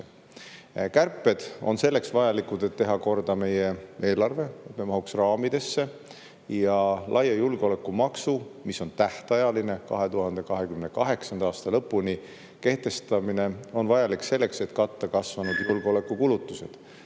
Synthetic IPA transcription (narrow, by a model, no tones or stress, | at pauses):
kærpːˑe̞d̪̥o̞̰nse̞lːe̞ksvɑjɑlikud̪̥e̞t̪ːe̞ɦɑko̞rd̪̥ɑme̞jee̞ːlɑrve̞ememɑɦuksrɑːmid̪̥e̞sːe̞ | jɑlʔɑjɑjulɡ̥eo̞le̞kːumɑksumiso̞nt̪æht̪ɑjɑline̞kɑ̰ɦe̞t̪uhɑnd̪̥e̞kɑɦe̞kymne̞kɑɦe̞ksɑnd̪ɑɑːst̪ɑlɤpːˑuni | ke̞ht̪e̞st̪ɑmine̞o̞nvɑjɑlikse̞lːe̞kse̞t̪kɑt̪ːɑkɑsvɑnud̪̥julɡ̥eole̞kːˑukulut̪ːˑuse̞d̪̥